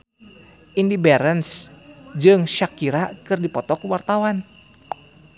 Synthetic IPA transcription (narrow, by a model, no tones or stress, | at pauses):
ʔindibɛɾənsd͡ʒɨŋʃakiɾakɨrdipɔt̪ɔkuwart̪awan